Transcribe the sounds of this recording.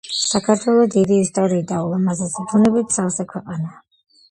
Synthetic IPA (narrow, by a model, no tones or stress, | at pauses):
sakʰaɾt̪ʰwɛlˠɔd̪id̪iːst̪ʼɔɾiːd̪aulˠamazɛsib̪unɛbit̪̚ʰsalsɛkʰwɛqʼanaː